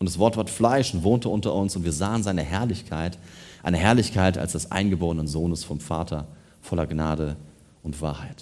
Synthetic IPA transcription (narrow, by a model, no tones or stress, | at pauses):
ʔʊntd̥asv̥ɔɐtv̥aːɐtflaɪʃʊntv̥oːntəʊntɐʔʊnsʊntv̥iːɐzaːənzaɪnəhɛɐlɪçkʰaɪtʔa̰ɪnəɦɛɐlɪçkʰaɪta̰lsd̥ɛsʔa̰ɪnɡəboːʁənənzoːnəsfɔmfaːtʰɐ | fɔlɐɡnaːɾə | ʊntv̥a̰ːɐhaɪt